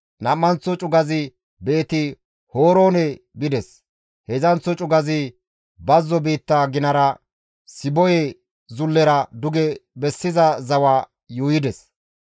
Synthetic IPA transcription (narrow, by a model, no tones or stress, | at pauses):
nɐmːɐnt͡sːɔt͡ʃʼʊɡɐzɪ | beːt̪ɪ | hoːɾo̞ːnɛ | bɪd̪ɛs | hɛzɐnt͡sːɔt͡ʃʼʊɡɐzɪ | bɐzːɔbiːt̪ːaɡɪnɐɾɐ | sɪbɔjɛ | zʊlːɛɾɐd̪ʊɡɛbɛsːɪzɐzɐwaː | juːjɪd̪ɛs